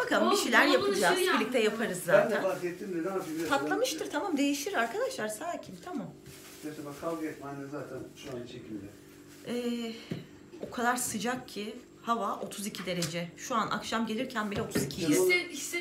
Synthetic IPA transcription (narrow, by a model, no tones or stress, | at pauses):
bakambiʃejlʲæɾjapʰɯlˠd͡ʒaːit͡ʃbilʲːic̚t̪ʰɛjapʰaɾɯzːaːænʰænazjɛt̪ʰːimned̪ɛnabilt̪ʰat̪lˠamɯʃt̪ɯɾt̪ʰamamd̪e̞jiʃiɾaɾkʰad̪aʃlˠaɾsaːcʰimt̪ʰamam | et̪ɛbakʰːalˠɡɯjɛt̪manɛzaːt̪ʰænʃuanit͡ʃʰecʰilʲd̪ɛ̰ | ɛː | o̞kʰad̪aɾsɯd͡ʒakcʰi | havaʔo̞t̪ʰuzicʰid̪e̞ɾe̞d͡ʒɛʃuanʔa̰kʃamɟe̞lʲiɾcʰænbilʲio̞t̪ʰuzicʰi